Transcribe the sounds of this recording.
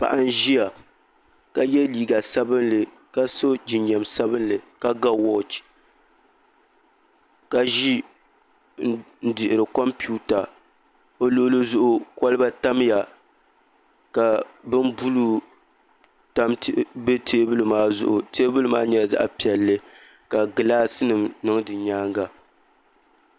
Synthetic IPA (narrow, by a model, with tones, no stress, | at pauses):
pa̰˨ʔa˦n˦ʒi˦ja˨ | ka˨jɛ˦liː˨ɡa˨sa˦bɨ˦nlɨ˨ | ka˦so˦d͡ʒi˨ɲɛ˨msa˦bɨ˦nlɨ˨ka˦ɡa˦wɔ˦t͡ʃ | ka˨ʒi˦ | n̩˦dɪ˨ʔɪ˨ɾɨ˨kɔ˦mpi˦u˦ta˨ | o˦lo˦lɨ˦zʊ˦ʔʊ˦ka˦lɨ˦ba˦ta˦mja˨ | ka˨bɨ˦nbu˦lu˦ | ta˦mbe˦tʰeː˦bɨ˦lɨ˦maː˦zʊ̰˦ʔʊ˨teː˦bɨ˦lɨ˦maː˦ɲɛ˨˦˨za̰˦ʔpi˨ɛ˨lːɨ˦ | ka˨ɡɨ˨laː˦sɨ˦nɨ˨mnɨ˦ŋdɨ˨ɲaː˦ŋɡa˨